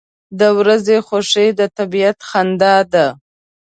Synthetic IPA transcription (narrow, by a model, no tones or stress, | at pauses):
d̪əwɾazexoʂed̪ət̪abijat̪xand̪ɑd̪a